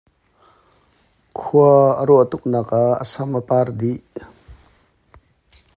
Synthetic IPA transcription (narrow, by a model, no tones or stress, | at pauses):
kʰuəəɾɔʔət̪uk̚nakaə̰sɐmʔəpard̪iʔ